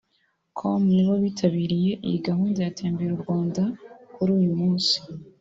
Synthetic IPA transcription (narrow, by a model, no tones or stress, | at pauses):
kʰomniβoβitʰaβiːɾije̞ʔḭjiɡaɦuːndajatʰeːmbeɾuɾɡwaːndakuɾuːjumuːnsi̥